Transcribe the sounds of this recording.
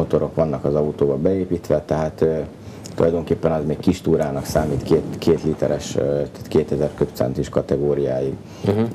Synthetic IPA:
ot̪o̞ɾo̞kʋɒnːɒkɒzɒut̪oːbɒbɛeːpiːt̪ʋɛt̪ɛɦaːt̪ø | ulɒ̰jd̪oŋkeːpːɛnɒzmeːkkːiʃt̪uːɾaːnɒksaːmiːt̪keːt̪kʰeːt̪lit̪ɛɾɛʃt̪ḁt̪keːt̪ɛzɛrkøpt̪sɛ̰nt̪iʃkɒt̪ɛɡoːɾijaːjiɡ

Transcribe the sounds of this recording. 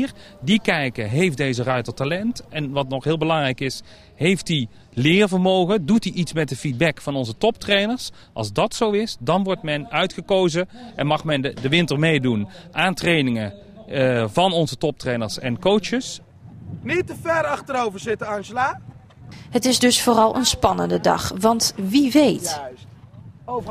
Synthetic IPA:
r | dikɛjkəɦejfdejzərœɥtətalɛntɛnʋɑtnɔχɦɪːlˠbəlɑŋrɛjkɪs | ɦejfti | lɪːrvəɹmowɣədutiʔitsmɛt̚dəfid̚bɛkfɑnɔnzətɔp̚trejnəɹs | ʔɑ̰lˠzdɑtsowɪsdɑnʋɔɹtmɛnœɥtχəkowzəʔɛnmɑχmɛndəʋɪntəɹmejdunʔaːntrejnɪŋə | vɑnɔnzətɔp̚trejnəɹsɛnkowt͡ʃəs | nitəfɛɾɑχtəɾowvəɹzɪtəɑnʒəla | ɦətɪsdɵsfʊːrɑlˠʔə̰nspɑnə̰ndədɑ̰χʋɑntʋiʋejt

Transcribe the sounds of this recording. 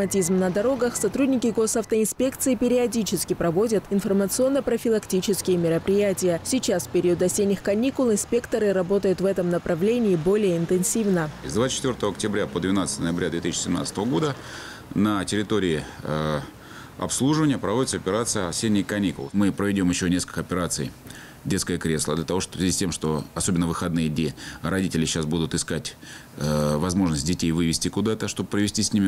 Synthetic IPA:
əmɐtʲizmnəd̪ɐɾo̞ɡəxsɐt̪ɾudʲnʲɪkʲɪɡo̞sɐft̪əɪnspʲe̞kt̪sɨɪpʲɪɾʲɪɐdʲit͡ɕɪskʲɪpɾɐvo̞dʲət̪ɪnfərmət̪sɨo̞nːəpɾəfʲɪlˠɐktʲit͡ɕɪskʲɪjəmʲɪɾəpɾʲɪjætʲɪjəsʲit͡ɕasfʲpʲɪɾʲiəd̪ɐsʲenʲːɪxkɐnʲikʊlˠɪnspʲe̞kt̪əɾɨɾɐbo̞t̪əjʊt̪vɛt̪əmnəpɾɐvlʲenʲɪːbo̞lʲɪjəɪnt̪ɨnsʲivnəzd̪vatst͡ɕːɪ̥t̪vʲort̪əvəɐk̚tʲɪbɾʲapəd̪vʲɪnat̪st̪ənəjɪbɾʲad̪vʲe̞t̪isɕːɪ̥sʲɪmna̰st̪əvəɡo̞d̪ə | nətʲɪɾʲɪt̪o̞ɾʲɪɪə | ɐ̰pslˠuʐɨvənʲɪjəpɾɐvo̞dʲɪt̪səɐpʲɪɾat̪sɨjəɐsʲenʲːɪjkɐnʲikʊlˠmɨpɾəvʲɪdʲo̞mjɪɕːonʲeskəlʲkəɐpʲɪɾat̪sɨj | dʲet̪skəjəkɾʲe̞slˠəd̪lʲət̪ɐvo̞ʂt̪sʲɪzʲisʲtʲemʂt̪o̞ɐso̞bʲɪnːəvɨxɐd̪nɨjəd̪ʲnʲeɾɐdʲitʲɪlʲɪɕːasbud̪ʊt̪ɨskatʲ | əvɐzmo̞ʐnəsʲt̚ʲdʲɪtʲejvɨvʲɪsʲtʲɪkʊd̪at̪əʂt̪o̞bəpɾəvʲɪsʲtʲisʲnʲimʲɪ

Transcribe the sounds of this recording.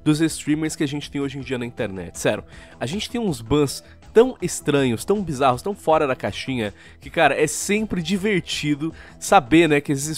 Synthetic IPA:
d̪ʊzest̪ɾĩmeɾskɪaʒẽnt͡ʃɪ̥t̪ẽj̃oʒẽd͡ʒiɐnɐĩnt̪eɾnɛ̰t͡ʃɪ̥sɛɾʊ | aʒẽnt͡ʃɪ̥t̪ẽj̃ũzbɐ̃s | t̪ɐ̃w̃est̪ɾɐ̃ɲʊst̪ɐ̃w̃bizahʊst̪ɐ̃w̃fɔɾɐd̪ɐkaʃĩɲɐ | kɪkaɾɐʔɛsẽmpɾɪd͡ʒiveɾt͡ʃid̪ʊ | sabenɛkɪesɪ

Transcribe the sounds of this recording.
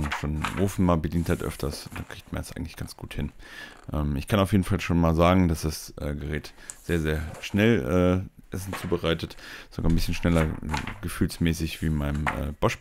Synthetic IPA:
nʃoːnʔoːfn̩maːbədiːnthaɪtʔœ̰ftʰɐsd̥akʁ̥iːçtmandasʔaɪɡŋ̩tlɪ̥çɡ̥ant͡sɡ̥uːthɪn | ʔɛːmɪçkʰanaʊfjeːdn̩falʃoːnmaːlzaːɡŋ̩d̥asd̥asʔɛːɡəʁɛːtz̥eːɐzeːɐʃnɛlʔɛːʔɛsn̩t͡suːbəʁaɪtətz̥o̰ɡaːɐnbɪsçənʃnɛlɐɛ̰ɡəfyːlsmɛːsɪçv̥iːnmaɪnəmʔɛ̰ːb̥ɔʃ

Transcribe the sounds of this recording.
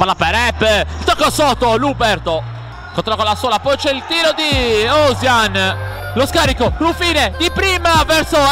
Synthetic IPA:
palːapeɾɛpːt̪okːosɔt̪ːolubɛɾt̪o | kõnt̪ɾɔkolasuɔlapot͡ʃeilt̪iːɾod̪iɔzjanloskaɾikoɾufiːned̪ipɾiːmavɛɾso

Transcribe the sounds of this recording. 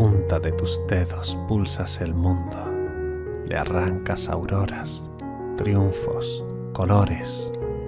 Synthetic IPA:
unt̪aðet̪usd̪eðospulsaselmũnd̪o | lḛa̰raŋkasa̰wɾo̞ɾas | t̪ɾjuɱfo̰s | koloɾes

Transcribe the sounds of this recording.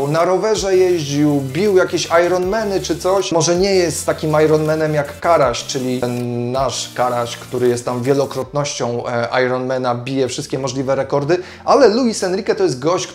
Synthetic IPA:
naɾɔvɛʐɛjɛʑd͡ʑiwbʲiwjakʲeɕajɾɔnmɛnɘt͡ʂɘt̪sɔɕmɔʐɛɲɛjɛst̪t̪ːakʲimajɾɔnmɛnɛmjakːaɾaɕt͡ʂɘlʲiɛnːaʂkaɾaɕkt̪uɾɘjɛst̪t̪amvʲjɛlɔkɾɔt̪nɔɕt͡ɕɔ̃w̃ʔa̰jɾɔnmɛnabʲijɛfʂɘst̪kʲɛmɔʐlʲivɛɾɛkɔɾd̪ɘ | ʔalɛluisɛnɾʲikɛt̪ɔjɛst̪̚ɡɔɕt͡ɕ

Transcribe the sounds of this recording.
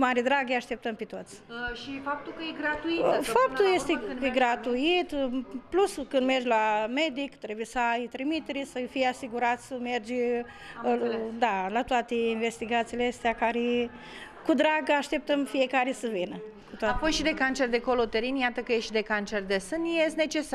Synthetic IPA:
maɾid̪ɾaɡeaʃt̪e̞p̚t̪əmpet̪o̞t̪sʲʃifap̚t̪ulkəjeɡɾat̪uifap̚tt̪ujest̪eeɡɾat̪uit̪pluskɨnd̪me̞rd͡ʒʲlame̞d̪ikt̪ɾe̞bujesəajt̪ɾimit̪eɾesəfijeasiɡuɾat̪sʲsəme̞rd͡ʒ | d̪alat̪oat̪einve̞st̪iɡat̪sileast̪eakaɾe | kud̪ɾaɡaʃt̪ep̚t̪əmfijekaɾesəvinə | kut̪oaapojʃid̪ekant͡ʃerd̪ekolot̪eɾinjat̪əkəjeʃid̪ekant͡ʃerd̪esɨnjesne̞t͡ʃe̞sa

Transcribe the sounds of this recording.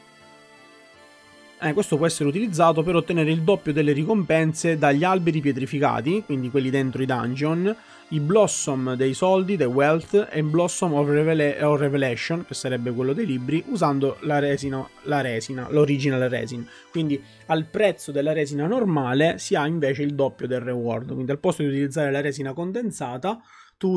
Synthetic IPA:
ɛkːwest̪op̬wɔɛsːeɾeut̪̬ilid̪zːaːt̪̬opeɾot̪ːeneːɾeild̪opːjod̪elːeɾikompɛnsed̪aʎːialbeɾip̬jet̪ɾifika̰ːt̪ikwind̪ikwelːid̪ent̪ɾoid̪a̰nd͡ʒon | iblɔsːomd̪ejsɔld̪id̪ewɛlt̪eblɔsːomɔvɔrevelɛʃːonk̟esːaɾɛbːekwelːod̪ejlibɾiʔuzand̪olaɾɛːzinalaɾɛːzina̰loɾid͡ʒinalrɛ̰ːzin | kwind̪i | alpɾɛt̪sːod̪elːaɾɛːzinanormaːlesiaiɱveːt͡ʃeild̪ɔpːjod̪elrewɔrd̪kind̪ialpɔst̪od̪iut̪ilid̪zːaːɾelaɾɛːzinakond̪ent̪saːt̪a | t̪u

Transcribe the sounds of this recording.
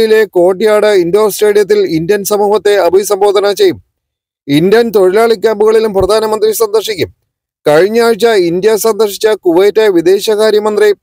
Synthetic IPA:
jile̞ko̞ːʈ̬ːijaːɽɨind̪oːsʈreːɭijɐt̪̬ːilind̪jɐnsɐmuːɦɐt̪ːe̞ɐbʱijsɐmbo̞ːd̪ʱɐnɐt͡ɕe̞jːum | ind̪jɐnt̪o̞ɻilaːɭikʲːaːmbuɣɐɭilumprɐd̪ʱaːnɐmɐnd̪risɐnd̪ɐrʂikʲːum | kɐɻiɲːaːɻt͡ɕːɐind̪jɐsɐnd̪ɐrʂit͡ɕːɐkuʋɐjtːeʋid̪e̞ːɕɐkaːɾjɐmɐnd̪ri

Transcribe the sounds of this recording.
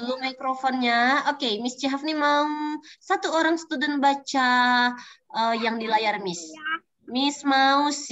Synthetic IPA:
lumakɾofɔnɲaokemɪst͡ʃaɦafnimausat̪uoɾaŋsə̥t̪udɛnbat͡ʃa | ʔəjaŋdilajarmɪs | mɪsmaus

